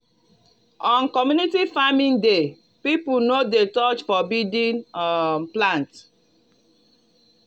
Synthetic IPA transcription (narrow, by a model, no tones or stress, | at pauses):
ɔ̃nkɔmjunitifamĩnde | pipunodetɔt͡ʃfɔbidĩn | plãnt